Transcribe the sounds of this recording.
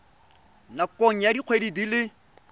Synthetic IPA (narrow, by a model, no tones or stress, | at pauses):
nakʼoŋ̩jadiq͡χʰwedidilɪ